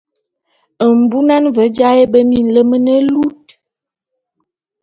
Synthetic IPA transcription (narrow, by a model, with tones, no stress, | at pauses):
ə˨m̩˨bu˦na˦nvə˨˦d͡ʒa˦e˦bə˦mi˦˨n̩˨lə˦mə˦nə˦lu˦t̚